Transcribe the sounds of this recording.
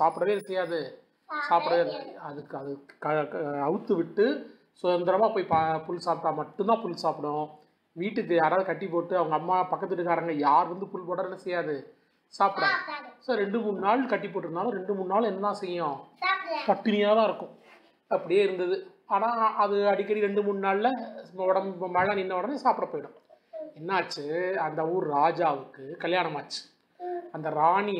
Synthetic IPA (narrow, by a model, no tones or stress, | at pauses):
saːpɯɽɐʋeːɛnːɐsɛjːaːðɯ | saːpɪɽɐʋeːnɐðɯkːɯɐðɯkɐɐʋɯt̪ːɯʋɪʈːɯ | sʊðɐnd̪ɐɾɐmaːpoːjpɐfʊlːsaːpʈãːmɐʈːʊnd̪ãːfʊlːsaːpɪɽʊ̃ | ʋiːʈːɯkːɯjaːɾaːðɯkɐʈːipːoːʈːɯɐʋɐŋɡɐːmːaːpɐkːɐt̪ːɯʈːɯkaːɾɐŋɡɐjaːɾʋɐnd̪ɯfʊlpoːɽɐɾɛnːɐsɛjːaːðɯ | saːpɯɽãsoːɾɛɳɖɯmʊnɯnaːɭkɐʈːipːoːʈːɪɾɯnd̪aːlõːɾɛɳɖɯmʊnnaːɭɛnːɐnãːsɛjɐjõːkɐʈːɪnɐjaːt̪ãːɪɾɯkːʊ̃ | ɐpːɐɽɪjeːɪɾɯnd̪ɐðɯ | aːnãːɐðɯɐɽɪkːɐɾiɾɛɳɖɯmʊnːɯnaːɭlɐɐɽɐmmɐɭaːnɪnːɐʋɐɽɐnesaːpɯɽɐpoːjɪɽʊ̃ | ɛnːɐːt͡ʃːɯɐnd̪ɐuːɾɾaːd͡ʒaːʋɯkːɯkɐljaːɳɐmaːt͡ʃːɯ̥ | ɐnd̪ɐɾaːɳi